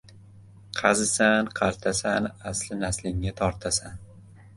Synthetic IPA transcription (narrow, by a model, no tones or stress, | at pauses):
qʰɑzɪsanqʰɑɾt̪ʰasanaslɪnaslɪŋːat̪ʰɒɾt̪ʰasan